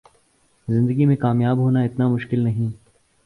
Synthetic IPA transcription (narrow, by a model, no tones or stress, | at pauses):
zɪ̃nd̪əɡimẽkaːmjaːbɦoːnaɪt̪namʊʃkɪlnɐɦĩ